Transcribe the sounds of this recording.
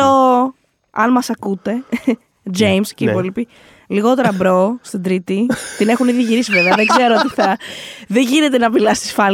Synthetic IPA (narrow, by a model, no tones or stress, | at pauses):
o | ɐ̰nmɐsɐkut̪e̞ | d͡ʒejmscipolipi | liɣo̞t̪e̞ɾɐbɾost̪id̪ɾit̪it̪ine̞xuniðiʝiɾisive̞veɐðeɡzeɾoot̪iθɐðeʝine̞t̪enɐpilɐst̪i̥sfɐl